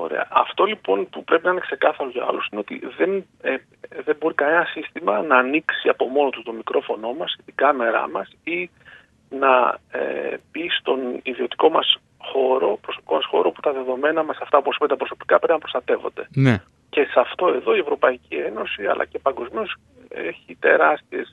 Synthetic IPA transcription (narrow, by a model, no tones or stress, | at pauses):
o̰ɾe̞̰ɐ̰ʔɐft̪o̞lipo̞npupɾe̞pinɐinekse̞kɐθɐɾoʝɐɐ̰lusine̞o̞t̪ḭðe̞n | e | ðe̞bo̞ɾikɐne̞nɐsist̪imɐnɐːniksiɐpo̞mo̞no̞t̪ust̪o̞mikɾo̞fo̞no̞mɐsist̪iɡɐme̞ɾɐ̰mɐsi | nɐḛb̥ist̪oniðio̞t̪i̥ko̞mɐs | xo̞ɾo̞pɾoso̞pi̥ko̞mɐsxo̞ɾoput̪ɐðe̞ðo̞me̞nɐmɐsɐft̪ɐuposipet̪ɐpɾo̞so̞pi̥kɐpɾepinɐpɾo̞st̪ɐt̪e̞vo̞̰nd̪e̞ne | ce̞sɐft̪o̞e̞ðo̞ie̞vɾo̞pɐicie̞no̞siɐ̰lʔɐ̰cepɐŋɡo̞zmios | ḛçit̪e̞ɾɐst̪ies